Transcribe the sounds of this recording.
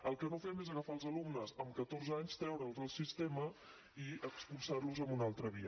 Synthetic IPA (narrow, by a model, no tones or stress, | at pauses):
əlˠkənofɛmezəɣəfalˠzəlumnəzəmkət̪orzaɲst̪ɾɛwɾəlˠzðəlˠsist̪emə | iəkspulˠsarluzəmbunalˠt̪ɾəβiə